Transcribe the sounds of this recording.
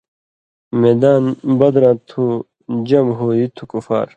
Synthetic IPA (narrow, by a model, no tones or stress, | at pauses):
med̪aːnbɐd̪ɾãːt̪ʰu | d͡ʑɐmɦoːit̪ʰukufa̰ːɾ